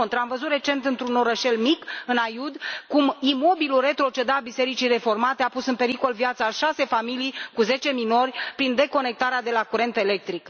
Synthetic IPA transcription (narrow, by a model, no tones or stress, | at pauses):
ont̪ɾamvəzut̪re̞t͡ʃe̞nt̪ɨnt̪ɾuno̞ɾəʃe̞lmikɨnajud̪kumimo̞bilulre̞t̪ɾo̞t͡ʃe̞d̪abise̞ɾit͡ʃijre̞fo̞rmat̪eapusɨnpe̞ɾiko̞lvjat̪saʃase̞familijkuze̞t͡ʃe̞mino̞rʲpɾind̪e̞ko̞ne̞k̚t̪aɾead̪e̞lakuɾe̞nt̪e̞le̞k̚t̪ɾik